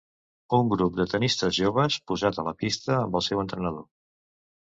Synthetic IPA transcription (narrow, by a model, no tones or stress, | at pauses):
uŋɡɾup̚d̪ət̪ənist̪əzʒoβ̞əspuzat̪ələpist̪əːmbəlˠsɛwənt̪ɾənəðo